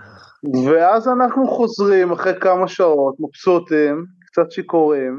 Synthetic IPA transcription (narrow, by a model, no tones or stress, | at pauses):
veazanaχnuχo̞zʁimaχʁekamaʃao̞tmapsotemkt͡sat̪ʃiko̞ʁim